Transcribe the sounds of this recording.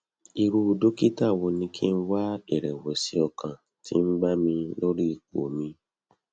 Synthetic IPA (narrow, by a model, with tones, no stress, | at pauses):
i˧ɾu˧˨do˦ki˦ta˦˨wo˧nĩ˧kʰi˦n̩˦wa˦ɛ˨ɾɛ˨wɛ˨si˦ɔ˧kʰã˨ | ti˦m̩˦ɡ͡ba˦mĩ˧lo˦ɾi˦˧˨k̚o̰˨mĩ˧